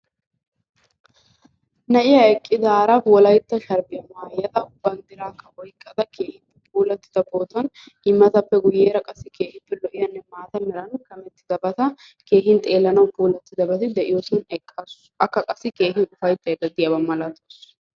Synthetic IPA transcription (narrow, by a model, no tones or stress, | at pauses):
nɐʔɪjɐɛkʼːɪd̪aːɾɐfwɔlɐjt̪ːɐʃɐɾbɪjɐmaːjːɐd̪ɐʊbːɐnd̪ɪɾaːkːɐʔɔjkʼːɐd̪ɐkeːhɪpːɛpʰuːlɐt̪ːɪ̥d̪ɐboːt̪ɐn | ɪmːɐt̪ɐpːɛɡʊjeːɾɐkʼɐsːɪke̞ːhɪpːɛlɔʔɪjɐnːɛmaːt̪ɐmɛɾɐnʊkɐmɛt̪ːɪd̪ɐbɐt̪ɐ | ke̞ːɦɪnt̪ʼe̞ːlːɐnɐwpuːlɐt̪ːɪd̪ɐbɐt̪ɪd̪ɛʔɪjosɪnɛkʼːɐs | ʔɐkːɐkʼɐsːɪke̞ːɦɪnʊfɐjt̪ʼːɐɛd̪ɐd̪ɪjɐbɐmɐlɐt̪oːs